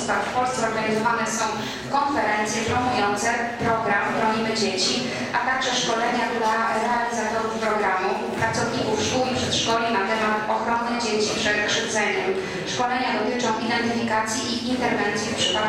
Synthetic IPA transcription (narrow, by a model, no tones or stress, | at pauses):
st̪afpɔlst̪sɛɔɾɡaɲizɔvanɛsɔ̃w̃ | kɔnfɛɾɛnt̪sʲjɛpɾɔmujɔnt̪sɛ | pɾɔɡɾamxɾɔɲimɘd͡ʑet͡ɕi | ʔat̪aɡʐɛʂkɔlɛɲak̪uɾaɾɛalʲizat̪ɔɾufpɾɔɡɾamu | pɾat̪sɔvɲikufʂkuwipʂɛt̪ʂkɔlʲinat̪ɛmat̪ɔxɾɔnːɛd͡ʑet͡ɕipʂɛt̪kʂɘt̪sɛɲɛm | ʂkɔlɛɲad̪ɔt̪ɘt͡ʂɔ̃w̃ʔid̪ɛnt̪ɘfʲikat̪sʲjiʔiʔint̪ɛɾvɛnt̪sjɛfpʂɘ̥pat̪